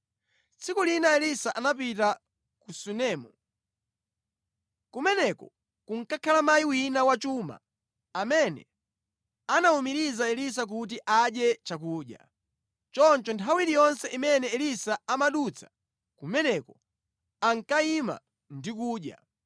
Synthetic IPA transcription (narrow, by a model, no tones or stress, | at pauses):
t͡sʰikulinaɛlisaʔanapita | kusunɛːmu | kumɛnɛkɔ | kuŋ̩kakʰalamajiwinawat͡ʃuma̰ | amɛnɛ̰ | anaumiɾizaɛlis̬ak̬ut̬iʔaɗjɛt͡ʃak̬uːɗja̰ | t͡ʃɔnt͡ʃɔntʰawiɾijɔnsɛʔimɛnɛɛlisaamaɗut͡sʰḁ | kumɛnɛkɔ | aŋ̩kaima̰ | ndik̬uːɗja̰